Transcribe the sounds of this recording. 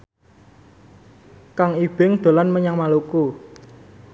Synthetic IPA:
kaŋib̥ɪŋɖ̪̥o̤lanməɲaŋmaluku

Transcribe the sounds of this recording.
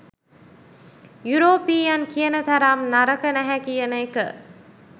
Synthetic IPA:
juɾoːpiːjankijənət̪aɾaːmnaɾəkənæɦækijənəekə̰

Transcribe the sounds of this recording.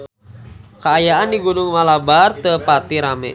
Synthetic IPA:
kaːjaandiɡunʊŋmalabart̪əpat̪iɾamɛ̰

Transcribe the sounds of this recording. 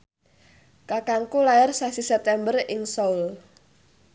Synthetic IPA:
kakaŋkulajarsasisɛp̚t̪ɛmbərɪŋsoul

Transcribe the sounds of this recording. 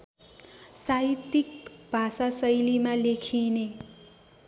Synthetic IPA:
sait̪ikb̥ʱasasʌjlimalekʰine

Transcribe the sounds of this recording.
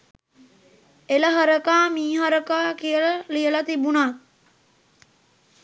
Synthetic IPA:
eləɦəɾəkaːmiːɦəɾəkaːkijələlijəlat̪ibunat̪̚

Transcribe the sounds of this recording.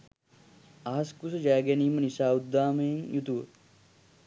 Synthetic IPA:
aɦɐskusɐd͡ʒaːɡeniːmɐnisaːud̪ːaːmejmjut̪uʋə̰

